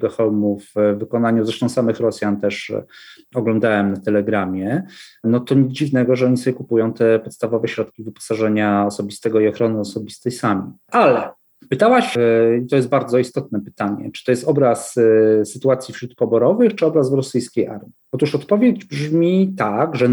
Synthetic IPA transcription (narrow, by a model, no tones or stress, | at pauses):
ɡɔxɛwmuvːɘkɔnaɲuzɾɛʂt̪ɔ̃w̃samɘxɾɔsʲjant̪ɛʂ | ɔɡlɔnd̪awɛmnat̪ɛlɛɡɾamʲjɛnɔt̪ɔɲɛd͡ʑivnɛɡɔʐɛɔɲisɔbʲjɛkupujɔ̃w̃t̪ɛpɔt̪st̪avɔvɛɕɾɔt̪kʲivɘpɔ̥saʐɛɲaɔsɔbʲist̪ɛɡɔiɔxɾɔnɘɔsɔbʲist̪ɛjsamʲiʔalɛ | pɘt̪awaɕit̪ɔjɛst̪̚baɾd̪zɔist̪ɔt̪̚nɛpɘ̥t̪aɲɛ̰t͡ʂɨ̥t̪ɔjɛst̪ɔbɾasːɘt̪uat̪sʲjifɕɾut̪̚pɔbɔɾɔvɘxt͡ʂɘɔbɾazvɾɔsɘjskʲejʔa̰ɾmʲiɔt̪uʂɔt̪pɔvʲjed͡ʑbʐmʲit̪aɡʐɛ